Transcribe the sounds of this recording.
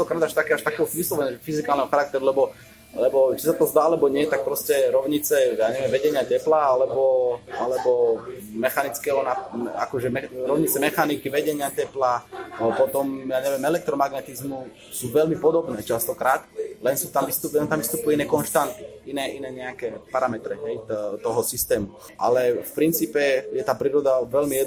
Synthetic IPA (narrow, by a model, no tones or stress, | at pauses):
at̪ɔkɾaːd̪aʃt̪akɛaʃt̪akɛːɦɔʋislɔʋɛɲɛʒɛfizikalnɛɦɔxaɾak̚t̪ɛɾulɛbɔ | lɛbɔt͡ʃisat̪ɔzd̪aːalɛbɔɲɪɛt̪ak̚pɾɔscɛɾɔʊɲit͡sɛjaːɲɛʋɪɛ̃mʋɛɟɛɲɪacɛplaalɛbɔalɛbɔmɛxanit͡skɛɦɔnaa̰kɔʒɛmɛɾɔʊɲit͡sɛmɛxanikiʋɛɟɛɲɪacɛplapɔt̪ɔmjaːɲɛʋɛmɛlɛk̚t̪ɾɔmaɡnɛt̪izmu | suːʋɛlmipɔd̪ɔbnɛːt͡ʃast̪ɔkɾaːt̪lɛnsuːt̪amʋist̪ulɛnt̪amʋist̪upujinɛːkɔnʃt̪ant̪iinɛːʔinɛːɲɛakɛːpaɾamɛt̪ɾɛɦɛjt̪ɔɦɔsist̪ɛːmu | ʔa̰lɛfpɾint͡siːpɛjɛt̪aːpɾiːɾɔd̪aʋɛlmijɛ